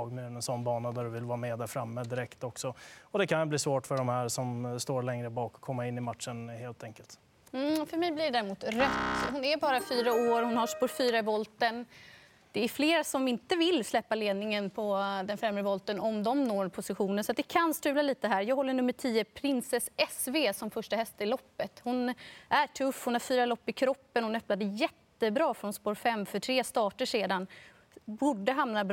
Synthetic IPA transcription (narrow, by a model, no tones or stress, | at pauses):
ɑɡmʉːnənsɔnːbɑːnad̪æɖɵvɪlvɑːɾmeːd̪æɾfɾamːəd̪ɪɾɛkt̪ɔksɔɔd̪ɛkʰanjbliːsvoːʈfœɖɔmhæːɾsɔmst̪oːɾɭɛŋɾəbɑːkɔ̥kʰːɔmːaɪnːɪmat̪ʂənheːlt̪ʰɛŋkəlt̪ | m̩fœɾmɛjblɪɖ̪æːɾɪmuːt̪ɾœt̪ːɦʊnæɾbɑːɾafyːɾaoːɾhʊnhaʂpɔɾfyːɾaɪvɔlt̪ən | d̪̥ɛæɾfleːɾasɔmɪnt̪əvɪlːslɛpːaleːd̪nɪŋənpʰɔd̪ɛnfɾɛmːɾəvɔlt̪ənɔmd̪ɔmnoːpʰʊsɪɧuːnənsɔat̪̚d̪ɛkʰanst̪ʉ̟ːlaliːt̪əɦæːɾjɑːɡɦɔlːəɳɵmːəʈʰiːəpʰɾɪnsɛsɛsveːsɔmfœʂʈahɛst̪ɪlɔpːət̪hʊnʔæʈʰɵfːhʊnhaɾfyːɾalɔpːɪkʰɾɔpːənhʊnœpnad̪əjɛt̪ːəbɾɑːfɾɔnspoːɾfɛmːfœʈʰɾeːst̪ɑːʈəʂeːd̪an | buːɖəɦamnabɾ